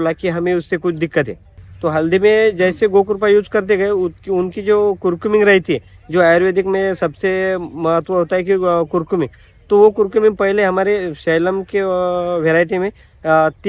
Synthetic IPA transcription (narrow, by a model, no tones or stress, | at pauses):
lakiɦɐmẽʊsːekʊt͡ʃʰd̪ɪkːət̪ɦɛ̰ː | t̪oɦɐld̪imẽd͡ʒɛːseɡoːkʊɾp̬ajuːd͡ʒkɐɾt̪̬eɡɐeʊʊnkid͡ʒoːkʊɾkjumɪ̃ŋɡɾɐɦit̪ʰiɦɛ | d͡ʒoːaːjɾʋeːd̪ɪkmẽsɐbsemɐɦət̪ʋəɦoːt̪aɦɛkikʊɾkjʊmɪ̃ŋ | t̪oʋokʊɾkʊmɪ̃ŋɡpɐɦleɦɐmaːɾeʃeːləmkeʋeːɾaːɪʈ̬imẽ | t̪